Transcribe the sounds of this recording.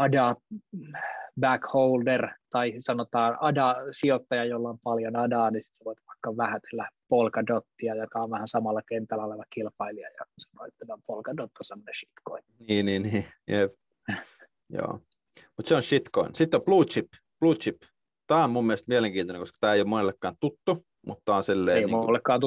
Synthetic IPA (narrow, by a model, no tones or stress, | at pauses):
ɑdɑ | bækhouldert̪ɑisɑnot̪ɑːnɑdɑsiot̪ːɑjɑjolːɑompɑljonɑdɑːnisi̥t̪seʋoit̪ʋɑikːɑʋʋæhæt̪e̥lːæpolkɑdot̪ːiɑjokɑoʋʋæhænsɑmɑlːɑkent̪ːælːæoleʋɑkilpɑiliɑ̰jɑ̰sɑ̥no̰it̪ːenːæmpolkɑdot̪ːosemːoneʃi̥t̪koinniːniːniːjep | jo̰ː | mut̪seonʃit̪ko̰insit̪ːopluːt͡ʃip | pluːt̪t͡ʃip | t̪æːommummiælest̪miæleŋkiːnt̪oneŋkoskɑ̥t̪æːeijomonelːekːɑːnt̪ut̪ːu | mṵt̪ːɑːnsilːeeijmolːekːɑːnt̪